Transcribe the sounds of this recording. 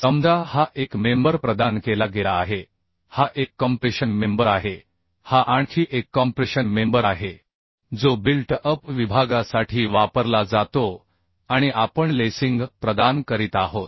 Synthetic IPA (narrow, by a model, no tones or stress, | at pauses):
səmd̪ʱahaʔekmembəɾpɾəd̪ankelaɡelaːɦe | haʔekːəmpɾiɕənmembəɾaɦe | haʔaɳkʰiːʔekːɔmpɾiɕənmembəɾaɦe | d͡zobilʈəpʋibʱaɡasaʈʰiːʋapəɾlad͡zat̪o | aɽ̃iʔapəɳlesiŋɡpɾəd̪ankəɾiːt̪aɦot̪̚